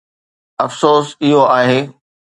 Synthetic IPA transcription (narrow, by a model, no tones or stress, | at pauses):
ɐfsoːsɪɦoaːɦeː